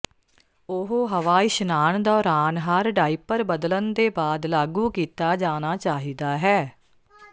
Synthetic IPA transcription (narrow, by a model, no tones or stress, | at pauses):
ʊɦoːɦəʋaːɪʃnaːnd̪ɔːɾaːnɦaɾɖaːiːpəɾbəd̪lənd̪eːbaːd̪laːɡuːkiːt̪aːd͡ʒaːnaːt͡ʃaːɦiːd̪aːɦɛː